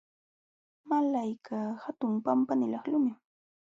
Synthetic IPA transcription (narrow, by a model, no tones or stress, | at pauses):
malajkʰahat̪ʊmpampanɪlɑχlʊmɪ